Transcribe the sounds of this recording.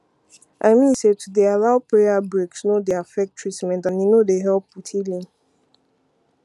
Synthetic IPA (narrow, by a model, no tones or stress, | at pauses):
ʔaɪmĩnsetʰudealaʊpʰɹeabɹeksnodeafɛk̚tʰɹ̥itmɛ̃ntãnjinodeɦɛlputʰilĩŋ